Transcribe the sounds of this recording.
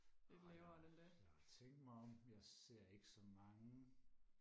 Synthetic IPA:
e̥leʊɐdedejaɑt͡sʰeŋ̰ɡ̚d̥mɑ̈ɪɒ̽mjɑ̈ɪse̝ɐ̰e̝ɡ̥ə̥sɒ̽mɑ̈ŋə

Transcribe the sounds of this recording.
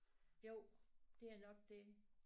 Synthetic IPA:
jo̝ʊ̰d̥e̝æɐnɒ̽ɡ̥̚d̥e̝

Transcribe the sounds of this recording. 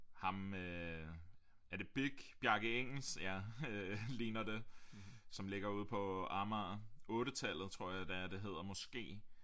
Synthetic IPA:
hɑ̈mø | æɐd̥e̝b̥iɡ̥b̥jɑ̈ɡ̥əeŋ̰l̩sjæ | liːnɐd̥e | sɒ̽mle̝ɡ̥ɐuð̞̰ˠpʰɒ̽ɑmɐɔ̽ːɾət͡sʰæl̰ð̞̩ˠt͡sʰʁo̝ɐ̰jɑ̈ɪd̥æɐd̥e̝ɦe̝ð̞̰ˠɐmɒ̽sɡ̥e̝̰ː

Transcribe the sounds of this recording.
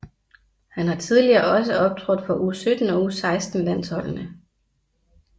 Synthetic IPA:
hænhɑ̈t͡sʰiðˠliɐːɒ̽s̬əɒ̽b̥̚t͡sʰʁɔd̥fɒ̽ʔuːsød̥n̩ɒ̽uːsɑ̈ɪsd̥n̩læn̰sɒ̽l̰nə

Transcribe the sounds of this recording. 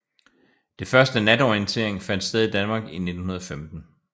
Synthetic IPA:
d̥e̝fɶɐsd̥ənæd̥ɒiənt͡sʰe̝ɐ̰eŋfæn̰d̥sd̥eð̞ˠid̥ænmɑ̈ːɡ̥ine̝d̥n̩hunɐðˠɒ̽femd̥n̩

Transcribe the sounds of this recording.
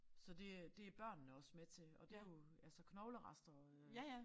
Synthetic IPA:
sɒ̽d̥e̝d̥e̝æɐb̥ɶɐ̰nnəɒ̽smet͡sʰe̝ɒ̽d̥ejo̝ | ælsəkʰnɒʊləʁɑ̈sd̥ɐ

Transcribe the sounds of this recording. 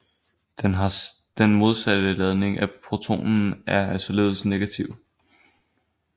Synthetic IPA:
d̥enmo̝ð̞ˠsæd̥əlɛð̞ˠne̝ŋʔæpʰʁo̝t͡sʰo̝̰ːnn̩æɐæsɒle̝ːðl̩ˠsne̝ɡ̥æt͡sʰiʊ̰

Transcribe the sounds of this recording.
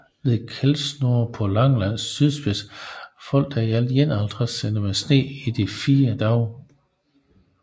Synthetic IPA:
ʋe̝ðˠkʰelsno̝ɐpʰɒ̽lɑ̈ŋlæn̰sːyðˠsb̥esfɒ̽l̰d̥æjæljenɑld̥ʁɐsen̥əmesne̝̰ːid̥ifiːɐd̥ɑ̈ʊ

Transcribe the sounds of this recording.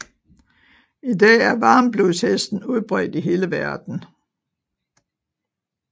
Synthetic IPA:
id̥ɛ̰ːæɐʋɑ̈ːmb̥lushesd̥n̩uðˠb̥ʁœ̰d̥iɦe̝ːləʋæɐd̥n̩

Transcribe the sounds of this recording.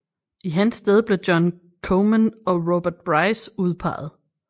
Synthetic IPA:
ʔiɦænsd̥eð̞ˠb̥le̝d̥jɒ̽n | kʰomænɒ̽ʁob̥æɐd̥̚b̥ʁɑ̈ɪsuð̞ˠpʰɑ̰̈ːð̞̩ˠ

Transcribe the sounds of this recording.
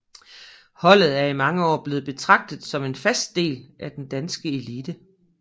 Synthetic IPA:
hɒ̽l̰ð̞̩ˠæɐimɑ̈ŋəɒ̰ːb̥le̝ːð̞̩ˠb̥e̝t͡sʰʁɑ̈ɡ̥̚d̥ð̩ˠsɒ̽me̝nfæsd̥̚d̥e̝̰ːlʔæd̥end̥ænsɡ̥əe̝liːd̥ə

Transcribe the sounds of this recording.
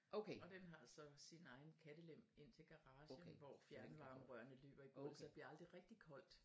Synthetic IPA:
ʔoɒ̽d̥enɦɑ̈ælsɒ̽sinɑ̈ɪn̩kʰæd̥əlem̰e̝n̰t͡sʰe̝lɡ̥ɑ̈ʁɑ̈ːɕəʋɒfjæɐnəʋɑ̈ːməʁœɐnəlø̰ːb̥ɐib̥ɔlsɐb̥liɐɑ̈ld̥ʁiʁɛɡ̥̚d̥ikʰɒ̽l̰d̥

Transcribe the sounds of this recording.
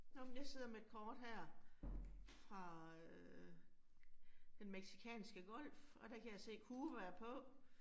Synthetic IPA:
nomenjɑ̈se̝ð̰ˠɐmee̝d̥̚kʰɒːd̥ɦæɐ̰ | fʁɑ̈ | d̥enmeɡ̥si̥kʰɛ̰ːnsɡ̥əɡ̥ɒ̽l̰fɒ̽d̥ækʰæjɑse̝̰ːkʰuːʋæɐpʰɒ̽

